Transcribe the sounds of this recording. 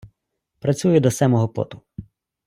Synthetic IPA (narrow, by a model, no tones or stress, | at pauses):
pɾɐt͡sʲujʊd̪ɔsɛmɔɦɔpɔ̰t̪ʊ̥